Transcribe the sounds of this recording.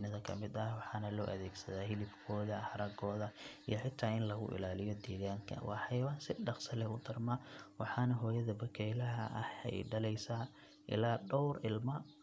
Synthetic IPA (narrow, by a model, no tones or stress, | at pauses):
nɐðɐkʰɐmɪd̪ɐwɑħɑːnɐlɔːʔɐðɛːɡsɐðaːɦɪlɪbkʰɔːðɐhɐɾɐɡɔːðɐijɔħɪt̪ʰːaːɪnlɐɣʊ̰ʔɪ̰laːlɪjɔd̪ɛːɣaːŋkʰɐ̰wɑ̰ːħɑjwansɪɖɑqsɐlɛʊd̪ɐrmɐwɑħɑːnɐɦɔːjɐðɐbɐkʰɛjlɐɦɐ̰ʔɐhɛ̰jɖɐlɛjsaː | ʔɪ̰laːɖɔwrɪlmɐ